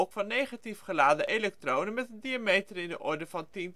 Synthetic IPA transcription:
kfɑnːejχatifχəlaːdəʔelɛk̚trownənmɛtəndiamejtərɪndə̰ʔɔɹdəvɑntin

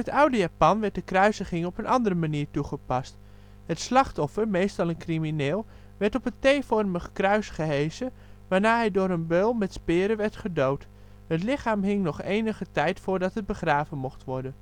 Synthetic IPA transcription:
ətʌwdəjaːpɑnʋɛɹt̚dəkrœɥzəχɪŋɔpənʔɑndərəmaniːɹtuχəpɑst | hətslɑχtɔfərmejstɑlˠənkriminɪːlˠ | ʋɛɹtɔpəntejfɔrməχkrœɥsχəɦejzə | ʋaːɹnaːɦɛjdʊːɾənbølˠmɛtspɪːɾəʋɛɹtχədowt | hətlɪχaːmɦɪŋnɔχeːjnəχətɛjtfʊːɹdɑtɦət̚bəχraːvənmɔχtʋɔɹdən

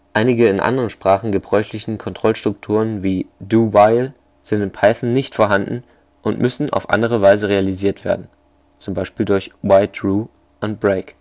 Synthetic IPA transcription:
ʔaɪnɪɡəɪnʔa̰ndəʁənʃpʁ̥aːχn̩ɡəbʁɔʏçlɪçn̩kʰɔntʁ̥ɔlʃtʁ̥ʊk̚tʰuːʁ̞ənviːduːwaɪl | z̥ɪntɪnpʰaɪθn̩nɪçtfoːɐɦandn̩ | ʔʊntmʏsn̩ʔa̰ʊfʔa̰ndəʁ̞əvaɪzəʁealiziːɐtv̥ḛːɐdn̩ | t͡sʊmbaɪʃpiːldʊɐçwaɪtʁuː | ʔʊntb̥ʁeɪk

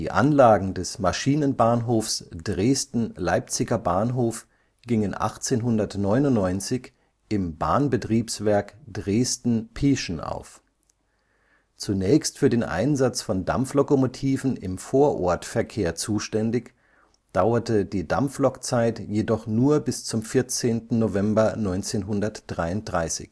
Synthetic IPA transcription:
d̥ḭːʔa̰nlaːɡŋ̩dɛsmaʃiːnənbaːnɦoːfsd̥ʁeːstn̩laɪp̚t͡sɪɡɐbaːnɦoːf | ɡ̥ɪŋənʔa̰χt͡seːnɦʊndɐtnɔʏnʊnːɔʏnt͡sɪç | ʔɪmba̰ːnbətʁ̥iːpsv̥ɛɐkd̥ʁeːstn̩pʰeːʃn̩ʔa̰ʊf | t͡sunɛːçstfyːɐdeːnʔa̰ɪnzat͡sfɔnda̰mflokomotʰiːvn̩ɪ̰mfoːɐʔɔɐtfɛɐkʰeːɐt͡suːʃtɛndɪç | d̥aʊɐtədiːda̰mflɔkt͡saɪtjedɔχnuːɐbɪst͡sʊmfɪɐt͡seːntn̩novɛmbɐnɔʏnt͡seːnɦʊndɐtd̥ʁaɪʊnt̚d̥ʁaɪsɪ̰ç

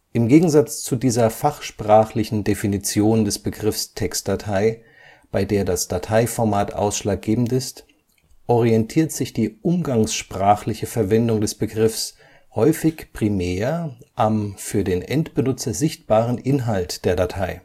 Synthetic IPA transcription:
ʔɪmɡeːɡŋ̩zat͡st͡sudiːzɐfaχʃpʁ̥aːχlɪçn̩definit͡sjoːndɛsb̥əɡʁɪfstʰɛkst̚d̥atʰaɪ | b̥aɪdeːɐdasd̥atʰaɪfɔɐmaːtʔa̰ʊsʃlaːk̚ɡ̥eːbm̩tɪst | ʔɔʁiɛntʰiːɐtz̥ɪçd̥iːʔʊmɡaŋsʃpʁ̥aːχlɪçəfɛɐvɛndʊŋdɛsb̥əɡʁɪfs | hɔʏfɪçpʁ̥imɛːɐʔamfyːɐdeːnʔɛntb̥ənʊt͡sɐzɪçt̚b̥aːʁənʔɪnɦaltd̥eːɐdatʰaɪ

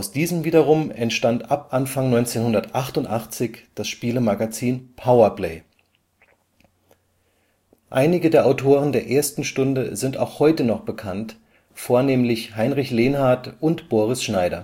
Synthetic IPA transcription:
ʔaʊsd̥iːzəmviːdɐʁʊmɛntʃtantʔapʔanfaŋnɔʏnt͡seːnhʊndɐtʔaχtʊntʔaχt͡sɪçd̥asʃpiːləmaɡat͡siːnpʰaʊɐpleɪ | ʔaɪnɪɡədeːɐʔaʊtʰoːʁəndeːɐʔeːɐstn̩ʃtʊndəzɪnta̰ʊxhɔʏtənɔχb̥əkʰant | foːɐneːmlɪçhaɪnʁɪçleːnhaɐtʔʊntb̥oːʁ̞ɪsʃnaɪɾɐ̰

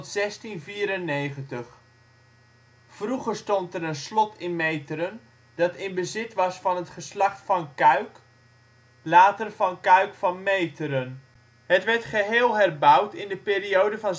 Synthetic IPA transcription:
tsɛstinviːɾənːejχəntəχ | fruχəɹstɔntəɾənslɔtʰɪnmejtəɾən | dɑtɪnbəzɪtʋɑsfɑnɦətχəslɑχtfɑnkœɥk | laːtərvɑnkœɥkfɑnmejtəɾən | ɦətʋɛɹtχəɦɪːlˠɦɛrbʌwtɪndəpeːɾiowdəvɑn

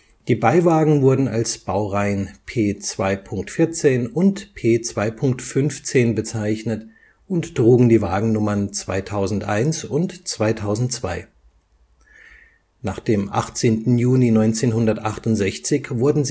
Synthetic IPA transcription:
d̥iːbaɪvaːɡŋ̩vʊɐdn̩a̰lsb̥aʊʁaɪənpʰeːt͡sv̥aɪpʰʊŋktfɪɐt͡seːnʊntpʰeːt͡sv̥aɪpʰʊŋk̚tfʏnft͡seːnbət͡saɪçnət | ʊntd̥ʁ̥uːɡŋ̩diːvaːɡŋ̩nʊmɐnt͡sv̥a̰ɪtʰaʊzn̩tʔa̰ɪnsʊntt͡sv̥aɪtʰaʊzn̩tt͡sv̥a̰ɪ | naːχd̥eːmʔa̰χt͡seːntn̩juːlinɔʏnt͡seːnɦʊndɐtʔaχtʊntz̥ɛçt͡sɪçvʊɐdn̩z

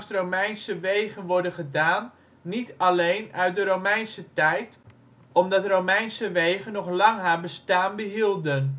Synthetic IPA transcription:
stromɛjnsəʋejχənʋɔɹdəχədaːnː | italejnœɥt̚dəɾowmɛjnsətɛjt | ɔmdɑtrowmɛjnsəʋejχənːɔχlɑŋɦaːɹbəstaːnbəɦilˠdən

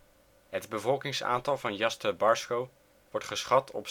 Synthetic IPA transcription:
ɦədbəvɔlˠkɪŋsa̰ːntɑlˠvɑnjɑstəbɑɹskow | ʋɔɹtχəsχɑtʰɔ̰p

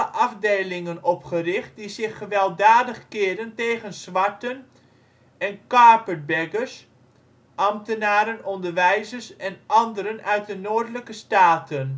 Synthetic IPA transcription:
əʔɑvdejlɪŋənɔpχərɪχt̚dizɪχːəʋɛlˠdaːdəχkɪːɹdəntejχənsʋɑɹtən | ɛnkɑɹpəbɛɡəɹs | ʔɑmtənaːɾənɔndəɹʋɛjzəsɛnʔɑndəɾənœɥt̚dənoːɹdələkəstaːtən

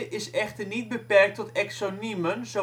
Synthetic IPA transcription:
ʔɪsɛχtərnit̚bəpɛrk̚tɔtɛksonimənzo

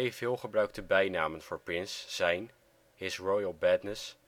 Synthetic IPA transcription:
ejfɪːlˠχəbrœɥk̚təbɛjnaːmənv̥ʊːɹprɪnsːɛjn | hɪsɹɔjəlˠbɛtnəs

